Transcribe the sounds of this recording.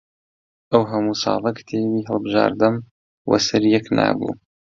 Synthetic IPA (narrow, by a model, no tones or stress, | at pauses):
ʔɐwɦɐmuːsɑːlˠɐkʰt̪ʰeːwiːɦɐlˠbɨʒaːɾd̪ɐm | wʔɐ̰sɐɾjɛknʔa̰ːbṵː